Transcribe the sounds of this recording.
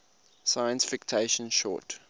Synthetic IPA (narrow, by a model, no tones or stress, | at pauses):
sajə̃nsfɪktʰeʃə̃nʃɔ̰ːt